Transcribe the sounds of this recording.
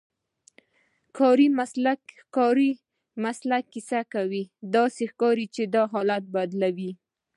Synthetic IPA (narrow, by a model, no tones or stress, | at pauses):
kʰɑɾim | kɑɾi | maslakːisakawid̪ɑsexkɑɾit͡ʃed̪ɑɦɑlat̪̚bad̪lawi